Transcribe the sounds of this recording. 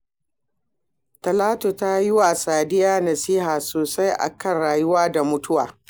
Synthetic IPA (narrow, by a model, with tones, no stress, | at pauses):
tɐ˨laː˦tu˨ta˦ji˦wa˨saː˨dɪ˦jaː˦nɐ˨siː˦ɦaː˨soː˨sa˦jʔa̰˨kɐ˦˨nɽaː˨jʊ˦waː˦da˨mʊ˦tʊ˦waː˨